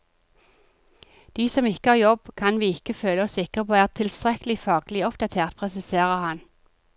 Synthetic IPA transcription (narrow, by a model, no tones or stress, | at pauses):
d̪̥iːsɔmɪkəhɑːjɔbkʰɑnʋiːɪkəføːləɔsɪkəʁpʰoːæːʁt̪ʰɪlst̪ʁɛkəlɪfɑːɡlɪɔpd̪ɑt̪ʰeːʁt̪̚pʰʁɛsɪseːʁəhɑn